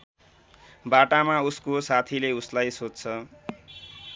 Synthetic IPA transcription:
baʈamauskosat̪ʰileuslajsodt͡sʰʌ

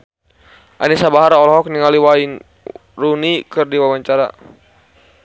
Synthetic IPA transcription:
ʔa̰nisabaɦaɾɔlɔɦɔk̚niŋaliwain | runikɨrdiwawaɲt͡ʃaɾa̰

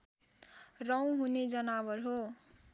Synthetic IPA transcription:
rʌw̃ɦuned͡zʌnabʌrɦo

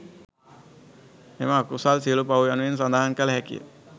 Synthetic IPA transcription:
hemaːkusalsiəlupawjanuens̬and̪aɦankəlɦɛkḭjə̰

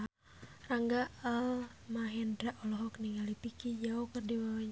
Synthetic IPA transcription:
raŋɡaalmaɦɛndɾaʔɔlɔɦɔkniŋalipikid͡ʒaukərdiwaw

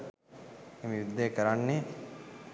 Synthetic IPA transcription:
emijud̪ːekəɾanːe

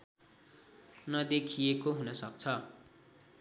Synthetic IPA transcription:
nʌd̪ekʰijekoɦunʌsʌk̚t͡sʰʌ

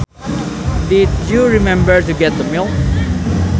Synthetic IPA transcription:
dɪdjuɹimɛ̃mbə˞tuɡɛt̪̚d̪əmilˠ

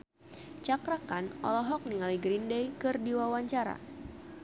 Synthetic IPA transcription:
t͡ʃakɾakanɔ̰lɔɦɔk̚niŋaliɡɾindɛjkɨrdiwawaɲt͡ʃaɾa̰

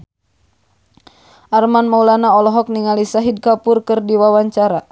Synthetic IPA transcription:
ʔarmanmaulanaɔlɔɦɔk̚niŋalisaɦid̚kapʊrkɨrdiwawaɲt͡ʃaɾa

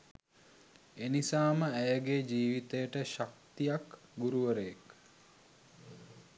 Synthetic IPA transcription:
enisaːməæjəɡed͡ʒiːʋit̪əjəʈəʃak̚t̪ijak | ɡuɾuʋəɾəjek

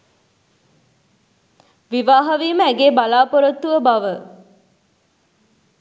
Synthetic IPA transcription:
ʋiʋaːɦɐʋiːməæɡeːbalaːpoɾot̪ːuʋəbaʋə

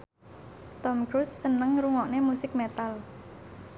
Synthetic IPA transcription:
t̪ɔmkɾusːənəŋɾuŋɔʔnemusɪk̚met̪al

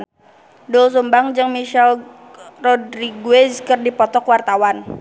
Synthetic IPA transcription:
duls̬umbaŋd͡ʒɨŋmiʃɛl | rɔdɾiɡued͡ʒkərdipɔt̪ɔkwart̪awan

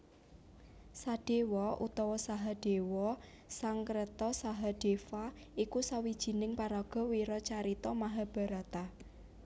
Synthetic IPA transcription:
saɖ̥e̤wɔʔṵt̪ɔwɔsaɦaɖ̥ewɔ | saŋkəɾət̪ɔsaɦaɖ̥e̤fa | ikusawid̥ʒ̥i̤nɪŋpaɾɔɡ̥ɔ̤wiɾɔt͡ʃaɾit̪ɔmaɦab̥a̤ɾat̪a

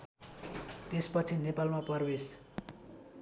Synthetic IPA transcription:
t̪espʌt͡sʰinepalmapʌrbes

